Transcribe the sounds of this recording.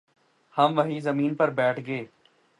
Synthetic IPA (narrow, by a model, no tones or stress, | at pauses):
hɐmʋɐɦizɐmiːnpɐɾbɛːʈʰɡeː